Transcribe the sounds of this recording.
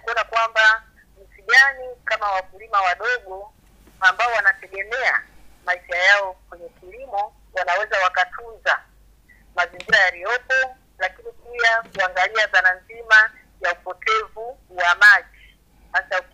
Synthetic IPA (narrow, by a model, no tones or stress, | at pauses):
kuɔnakuwamba | m̩siɠanikamawavulimawaɗɔɠɔ | ambaɔwanatɛɠɛmɛa̰maiʃajaɔkwɛɲɛkilimɔ | wanawɛzawakatʰunza | maziŋɡiɾajaɾijɔpɔ | lakinipiakuaŋɡaliaðananzima | jaupɔtʰɛvuwamaʄi | hasau